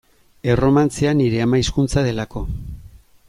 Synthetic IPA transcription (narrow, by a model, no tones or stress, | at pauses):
e̞ro̞mant͡seaniɾe̞amaiskunt͡saðe̞lako̞